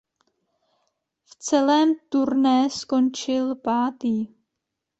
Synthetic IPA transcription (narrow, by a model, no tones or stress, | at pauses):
ft͡sɛlɛːmt̪uɾnɛsko̞nt͡ʃɪlpaːt̪iː